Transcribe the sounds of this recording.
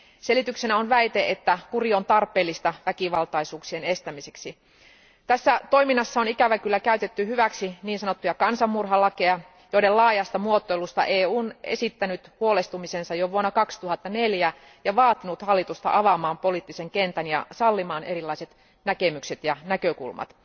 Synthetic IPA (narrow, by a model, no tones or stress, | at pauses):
selit̪yksenæonʋæit̪eʔet̪ːækuriont̪ɑrpˑeːlːist̪ɑʋækiʋɑlt̪ɑisuːksiene̞st̪æmiseksi | t̪æsːæt̪o̞iminːɑsːɑonikæʋækylːækæyt̪et̪ːyhyʋæksiniːnsɑnot̪ːujɑkɑnsɑmːurɦɑlɑkejɑ | joiɾellɑːjɑst̪ɑmuot̪ːojlust̪ɑ̰ʔeːuːnḛsit̪ːænyt̪huolest̪umisensɑjoʋuonːɑkɑkst̪uhɑt̪ːɑneljæ | jɑʋɑːt̪inut̪hɑlːit̪ust̪ɑ̰ʔɑʋɑmɑːmpo̞liːt̪ːiseŋkent̪ænjɑ̰sɑlːimɑːneɾilːˑɑiset̪ | nækemykset̪jɑnækøkṵlmɑ̰t̪